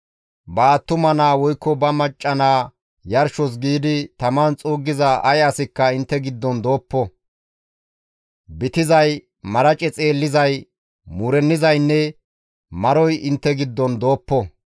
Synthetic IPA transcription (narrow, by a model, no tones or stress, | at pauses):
bɐːt̪ːʊmɐnaːwɔjkːɔbɐmɐt͡ʃʼːɐnaː | jɐɾʃɔs̬ɡiːd̪ɪt̪ɐmɐnt͡sʼuːɡːɪzɐʔɐjɐsɪkːɐɪnt̪ːɛɡɪd̪ːɔnd̪o̞ːpːɔ | bɪt̪ɪzɐj | mɐɾɐt͡ʃʼɛt͡sʼe̞ːlːɪzɐj | muːɾɛnːɪzɐjnːɛ | mɐɾɔjɪnt̪ːɛɡɪd̪ːɔnd̪o̞ːpːɔ